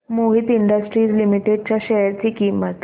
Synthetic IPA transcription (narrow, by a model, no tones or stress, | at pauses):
moɦit̪iɳɖəsʈɾiːd͡zlimiʈeɖ̚t͡ɕjaɕɛɦəɾt͡ɕiːkimət̪